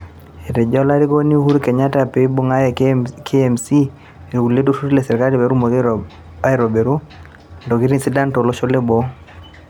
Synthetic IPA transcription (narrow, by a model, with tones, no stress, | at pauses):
e˨tɛ˨d͡ʒɔ˦la˦ɾi˦ko˦ni˦hu˦ɾikɛ˨ɲa˦ta˨pe˨i˦bo˦ŋa˦jɛ˨kʰe˦ɛ˨msi˦ | e˨u˨le˦to˦su˦ɾi˦le˨sɛ˨ɾi˨ka˦li˨be˨ɾu˦mo˨ð | a˦jɾo˨be˨ɾu˦˨ | ndo˨ki˦ɾi˦nsi˦da˦nto˨lo˦ʃo˦le˦bɔ˦